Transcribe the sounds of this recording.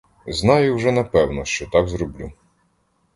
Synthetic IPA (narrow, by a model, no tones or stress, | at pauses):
znɑjʊwʒɛnɐpɛwnɔʃt͡ʃɔt̪ɑɡzɾɔblʲu